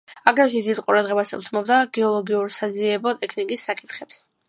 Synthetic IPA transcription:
aɡɾɛsid̪isqʼuɾad̪ʁɛbasṵt̪ʰmɔbd̪aɡɛɔlˠɔɡiuɾsaziɛbɔt̪ʼɛkʰnikʼisːakʼit̪χɛps

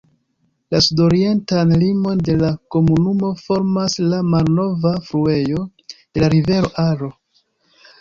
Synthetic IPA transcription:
lasudo̞ɾie̞ntanlimo̞nde̞lako̞munumo̞fo̞ɾmaslamalno̞vafɾue̞jo̞ | delaɾive̞ɾo̞ʔaɾo̞

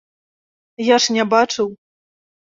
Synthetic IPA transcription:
jaʂnʲɛbat͡ʂɨw

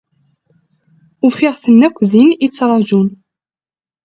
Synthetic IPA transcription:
ufɪʁθənːækʷːðinit͡sːɾˤɑʒun

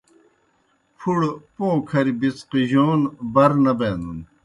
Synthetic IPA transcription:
pʰuɽpõːkʰɐɾbit͡sqiʑoːnbɐɾnɐbeːnun

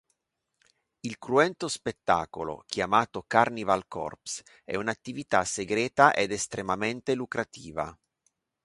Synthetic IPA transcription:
ilkɾuɛnt̪ospet̪ːa̰ːkolo̰k̟ʰjamaːt̪okarnivalkɔ̰rps | ɛ̰unat̪ːivit̪aseɡɾɛːt̪aʔed̪est̪ɾemament̪elukɾat̪ʰiːva̰

